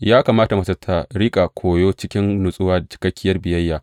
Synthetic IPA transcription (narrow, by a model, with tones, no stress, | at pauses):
jaː˦kaː˨maː˦ta˨mɐ˨˦sɐ˦tʰa˨ɽi˦kʼa˨kʷʰoː˨joː˦t͡ʃɪ˦kʲɪ˦nnʊ˨sʼʊ˦waː˨t͡ʃɪ̥˨˦kɐ˦kʲːɪ˦jɐ˦rbɪ˨jɐ˦jːaː˨